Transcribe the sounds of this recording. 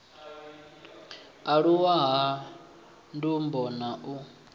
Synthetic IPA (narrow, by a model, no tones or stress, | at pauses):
aɺuwaɦa | ndumbɔnaʔu